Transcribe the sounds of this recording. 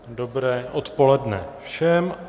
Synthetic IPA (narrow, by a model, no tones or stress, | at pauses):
dobɾɛːʔot̪po̞lɛdnɛfʃɛm